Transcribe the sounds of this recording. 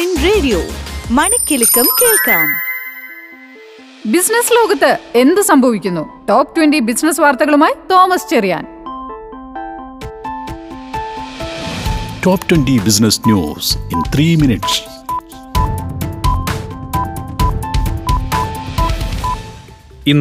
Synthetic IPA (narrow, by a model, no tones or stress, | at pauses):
inreːɖijo̰ːmɐɳɐkʲːilikːɐmkeːɭkaːm | bisnɐslo̞ːɡɐt̪ːɨe̞nd̪ɨsɐmbʱɐʋikʲːunːuʈoːpʈwenɖibisnɐsʋaːrt̪ɐɣɐɭumaːjit̪o̞ːmɐst͡ɕerija̰ːn | toːptwendibisnɐsnjṵːsint̪ʰriːminiʈs | in